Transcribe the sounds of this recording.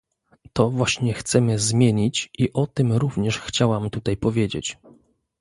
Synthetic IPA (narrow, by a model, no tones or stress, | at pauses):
t̪ɔvwaɕɲɛxt̪sɛmɘzmʲjeɲit͡ɕʔiʔɔt̪ɘmɾuvɲɛʂxt͡ɕawamt̪ut̪ajpɔvʲjed͡ʑḛt͡ɕ